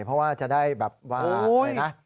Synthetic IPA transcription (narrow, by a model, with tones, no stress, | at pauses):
pʰɔ˧˥waː˧˩t͡ɕa̰˨˩ɗaː˧˥˩jɓɛː˨˩p̚waː˧˩nɛ˨˦˥